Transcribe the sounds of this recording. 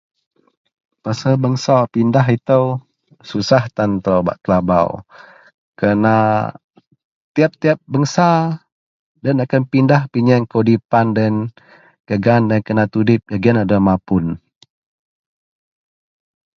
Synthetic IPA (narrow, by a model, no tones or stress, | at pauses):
pasəbəŋsapindaɦit̪əw | susaht̪ant̪əɾawba̰ʔt̪laba̰w | kəna | t̪iap̚t̪iap̚bəŋsa | danakanpindahpiɲɛŋkodipandɛn | kəɡandankənat̪udɪp̚ɡaɡianadamapʊn